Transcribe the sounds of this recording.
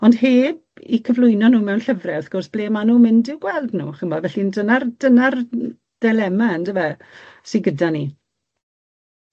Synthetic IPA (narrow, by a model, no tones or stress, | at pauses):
ɔnd̥heːb̚ikʰəvlˠʊjnɔnuːmɛwnɬəvrɛaθɡ̥ʊrsb̥leːmanuːmɪndɪwɡ̥wɛlˠdnṵːχəmɔdvɛɬindənard̥ənar | d̥ɛlɛmaəndəvɛsiɡədani